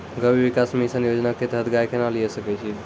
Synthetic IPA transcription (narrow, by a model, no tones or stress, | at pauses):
ɡəbibikasmisəniəd͡ʒnaket̪ɦət̪ɡajkenaliesəkɛt͡ʃʰi